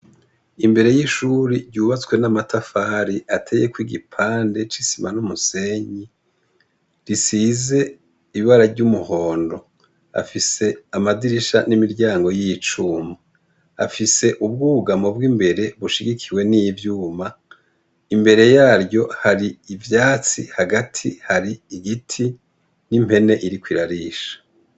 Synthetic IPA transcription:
imbe̞ɾe̞jiʃuːɾiɾɟuːβat͡swe̞namatʰafaːɾiʔatʰe̞je̞kwiːɡipʰaːnde̞t͡ʃisimanumuse̞ɲi | ɾisize̞ | iβiβaɾaɾɟumuho̞ːndo̞ | a̰fise̞amadiɾiʃanimiɾɟaːŋɡo̞jit͡ʃuːmaː | fise̞ʔubɡuɡamo̞bɡiːmbe̞ɾe̞βuʃiɡikʰiwe̞nijivjuːma | imbe̞ɾe̞jaːɾɟo̞haɾiivjaːt͡sḭhaɡatʰihaɾiːɡitʰi | nim̥e̞ne̞ʔiɾikwiɾaɾiːʃḁ

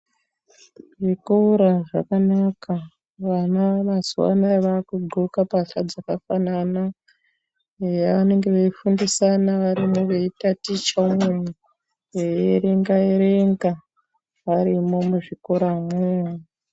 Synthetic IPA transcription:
ʐikoɾaʐa̰kanaka | ʋanaʋazuwa̰naeʋakuɡ͡ǃʱokapaɬad͡zakafanana | ejaʋane̞ŋɡe̞ʋeifundisanaʋaɾimoʋeitatit͡ʃamumu | ejeɾeŋɡaeɾeŋɡa | ʋaɾimo̞muʐikoɾamwea

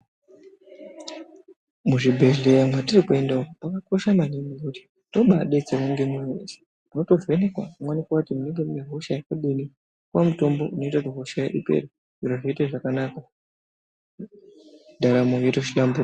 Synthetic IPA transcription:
muʐibʱe̞ɮe̞jamwatirikue̞ndaopakako̞ʃamanimikuti̥ | to̞ɓaɗet͡seruŋɡe̞mumḛsi̥ | muno̞to̞ve̞nekwa̰kumwanikwakutimuneŋɡemeɦoʃajakaɗini | kwamuto̞mbo̞ʔuno̞itatoɦoʃaja̰ʔipe̞̰ri | inoʐoitaʐakanaka | dʱaɾamojetoʃiɗambu

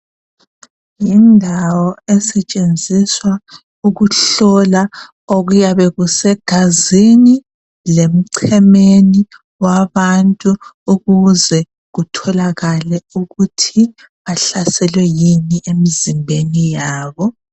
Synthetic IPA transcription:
jindʱawɔɛsɛt͡ʃʼend͡zʱiswa | uɣuɬɔla | oɣujaβɛɣusɛɡ̥ʱazini | lem̩ǀʰɛmeni | waβantʼuuɣuzɛ | ɣutʰɔlaɣalɛuɣutʰi | βaɬasɛlwɛjiniʔemizimbʱenijaːβɔ

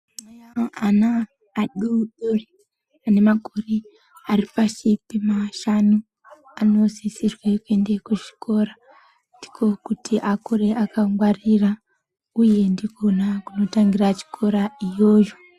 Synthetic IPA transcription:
anaː | ɗuɗori | ane̞makori | aripaʃipimaʃanu | ano̞zisirwekue̞ndekuʒi̥ko̞ɾa | ndi̥kʰo̞kutʰiʔakoɾeʔakaŋɡwarira | uje̞ndiɡʱo̞nakuno̞taŋɡirat͡ʃi̥kʰo̞ɾaijo̞ːd͡ʒo

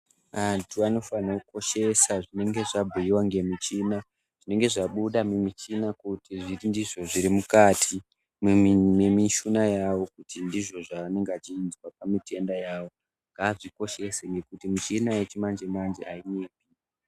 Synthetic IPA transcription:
atuano̞fanakuko̞ʃe̞saʐine̞ŋɡe̞ʐabʱujiwaŋɡe̞mit͡ʃina | ʐ̥ine̞ŋɡe̞ʐaɓuɗamemit͡ʃinakutiʐiindiʐo̞ʐiɾimukaːtʰi | mmemiʃunajawo̞kutʰindiʐo̞ʐaːne̞ŋɡeat͡ʃiːnzwapamite̞ndajaːwo̞ | ŋɡaːʐiko̞ʃe̞seŋɡe̞kutimut͡ʃinajet͡ʃimand͡ʒemand͡ʒiainepi

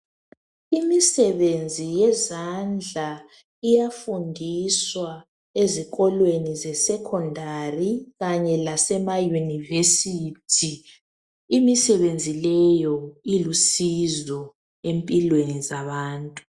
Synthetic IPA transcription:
imisɛβend͡zʱijɛzand͡ɮʱa | ijafundʱiswa | eziɣɔlwenizɛsɛkʰɔndʱariɣaɲɛlasɛmajunivesitʰi | imisɛβend͡zʱilɛjɔilusizɔ | empʼilwenizaβaːntʼu

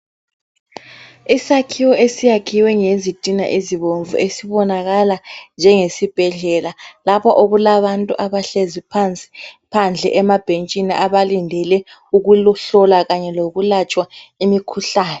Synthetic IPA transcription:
isakʰiwɔesijakʰiwɛŋezitʼina̰ʔiziβoɱvṵʔesiβɔnaɣaland͡ʒʱɛŋesib̥ʱɛɮɛlalapʰɔʔoɣulaβantʼuʔaβaɬezipʰant͡sʼi̥pʰand͡ɮʱɛ̰ʔɛmab̥ʱent͡ʃʼiniʔaβalindʱɛlɛ | uɣulɬɔlaɣaɲɛloɣulat͡ʃʼwaimikʰuɬaːnɛ

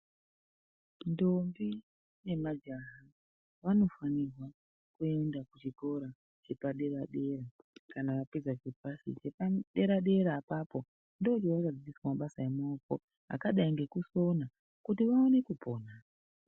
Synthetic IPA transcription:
ndo̞mbi | ne̞mad͡ʒaɦa | ʋano̞fanirwa | kue̞ndakut͡ʃiko̞ɾa | t͡ʃe̞paɗe̞ɾaɗe̞ra | kanaʋapezat͡ʃep̚asḭt͡ʃe̞paɗe̞ɾaɗe̞ɾaːpapo̞ | ndo̞ut͡ʃiwakad͡ziiswamaɓasajemaoko̞̰ | ɦa̰kaɗaiŋɡe̞kuso̞na | kutiʋaone̞kupʰo̞ːna

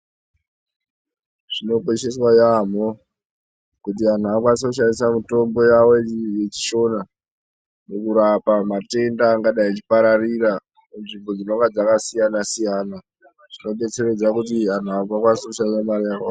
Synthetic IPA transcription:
ʐ̥ino̞kweʃe̞swajamo̞ | kutian̤uakwasokuʃanisamuto̞mbo̞jawo̞jet͡ʃi̥ʃo̞na | mukuɾapamate̞ndaːŋɡaɗait͡ʃi̥paɾariɾa | munʐimbo̞d͡zino̞ŋɡad͡zakasijanasijaːna | ʐ̥ino̞ɓe̞t͡se̞re̞d͡zakutian̤uakwakwasokuʃanisamarijakwa

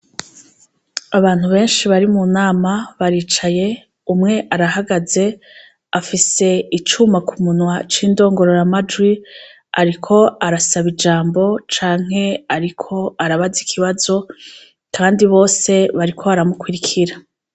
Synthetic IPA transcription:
aβaːn̥huβe̞ːnʃiβaɾimunaːmaβaɾiːt͡ʃaje̞ | umŋe̞ʔaɾaɦaɡaze̞ | afise̞it͡ʃumakumunwat͡ʃiːndo̞ːŋɡo̞ɾo̞ɾamad͡ʒwi | a̰ɾikʰo̞aɾasaβid͡ʒaːmbo̞t͡ʃaːŋ̥ɦe̞aɾikʰo̞aɾaβazikʰiβazo̞ | kʰaːndiβo̞ːse̞βaɾikʰo̞βaɾamukwiɾikʰiɾa

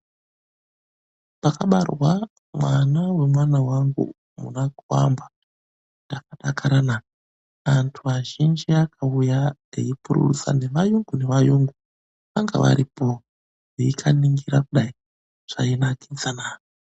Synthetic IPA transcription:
pakaɓarwa | mwanawe̞mwanawaŋɡṵ | munakuwa̰mba | ndakaɗakʰaɾana | antʰuaʒind͡ʒiakʰaujaḛjipuɾṵsa̰ne̞ʋajuŋɡune̞ʋajuŋɡu | ʋaŋɡa̰ʋa̰ɾipo | eikʰaniŋɡiɾakuɗai | ʐ̥ainakinsanaːi

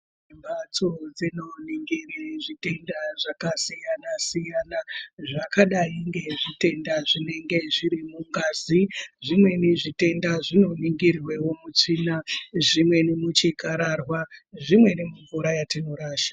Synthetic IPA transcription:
embat͡sod͡zino̞niŋɡiriʐite̞ndaʐakasijanasijanaʐakaɗaiŋɡe̞ʐite̞ndaʐine̞ŋɡe̞ʐiɾimuŋɡaːziʐimwe̞neʐite̞ndaʐino̞niŋɡirwe̞wo̞mut͡ʂiːnaʐimwe̞nemut͡ʃikaɾarwaʐimwe̞nemuɱvuɾajatino̞ɾaːʃḁ

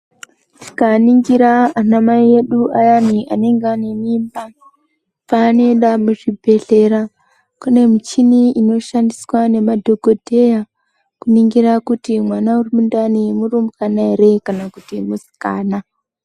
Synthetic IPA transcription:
tʰi̥kaniŋɡiɾaːnamaije̞ɗuʔajaniʔane̞ŋɡanemimba | paːne̞nɗamuʐibʱe̞ɬe̞ɾa | kune̞mit͡ʃiniino̞ʃandiswane̞madʱo̞ɡʱo̞dʱe̞ja | kuniŋɡiɾakutimwanaurimundanimurumukanaeɾe̞kanakutimusi̥ka̰ːna

